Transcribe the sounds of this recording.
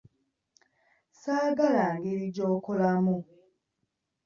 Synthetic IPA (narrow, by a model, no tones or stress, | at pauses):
saːɡalaŋɡeɾiɟoːkolamu